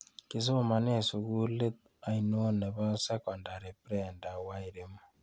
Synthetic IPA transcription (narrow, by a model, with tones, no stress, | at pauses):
ki˨s̬o˦o˦˨ma˨n˦˨su˨ɣu˦le˦t̪̚ | a˨i˨no˦ne˨βa˦sa˦kɔ˨nda˨ɾe˨pɾɛ˨nda˨wa˦i˨ɾe˦mo˦